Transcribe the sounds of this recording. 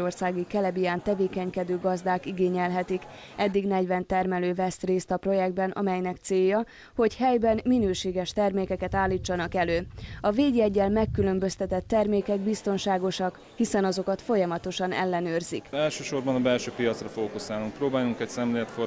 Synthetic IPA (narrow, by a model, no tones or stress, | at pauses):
o̞rsaːɡikɛlɛbijaːnt̪ɛveːkɛɲkɛd̪øːɡɒzd̪aːkiɡeːɲɛlɦɛt̪ik | ʔɛd̪ːiɡnɛɟvɛnt̪ɛrmɛløːvɛst̪reːst̪ɒpro̞jɛɡ̚d̪̚bɛnʔɒ̰mɛjnɛkt̪seːjːɒ | ho̞chɛjbɛnminøːʃeːɡɛʃt̪ɛrmeːkɛkɛt̪aːlːiːt͡ʃːɒnɒkɛløːɒveːɟɛɟːɛlmɛkːylø̞mbø̞st̪ɛt̪ɛt̪ːɛrmeːkɛɡbist̪o̞nʃaːɡo̞ʃɒk | hisɛnɒzo̞kɒt̪fo̞jɒmɒt̪o̞ʃɒnɛ̰lːɛnøːrzḭkɛlʃøːʃo̞rbɒnɒbɛlʃøːpijɒt̪srɒfoːkusaːluŋk̚proːbaːjuŋkɛcsɛmleːlɛt̪fo